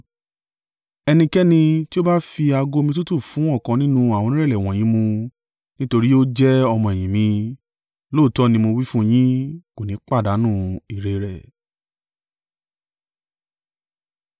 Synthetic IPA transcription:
ɛ˧nĩ˧kɛ˦nĩ˧ti˦o˦ba˦fi˧a˧ɡo˦˧mĩ˧t̬ũ˦tu˦˨fũ˨˦ɔ˦˨kã˨˧nĩ˦nũ˦a˨w̃ɔ̃˧nĩ˦ɛ˦˨lɛ˨w̃ɔ̃˨j̃ĩ˦mũ˧ | nĩ˦to˧ɾi˦o˦d͡ʒɛ˦ɔ˧mɔ̃˧ɛ˨j̃ĩ˨mĩ˧ | lo˦˨tɔ˦nĩ˧mo˧wi˦fũ˦j̃ĩ˦ko˨nĩ˨˦k͡pa˦˨da˨˦nũ˦˨i˨ɾe˧ɾɛ˨

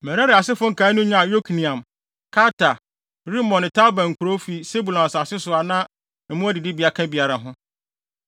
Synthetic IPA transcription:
mɛ̃˨ɾã˦ɾɪ˨a˨sɪ˦fʊ̃˦ŋ̩˨kʰaː˨˦nʊ̃˦ɲã˦a˨jo˦kʰnĩ˨ã˨m | kʰa˦tʰa˨ | ɾi˦mɔ̃˨nɪ̃˨tʰa˦bã˨ŋ̩˨kʰʊ˨ɾo˦fi˦se˦bu˨lɔ̃˨n˨sa˨sɪ˦sʊ˨a˨nã˦ | m̩˨˦mʊ̃˦a˦dɪ˨dɪ˦bi˨a˨kʰã˦bi˨a˨ɾa˨ɦʊ̃˦

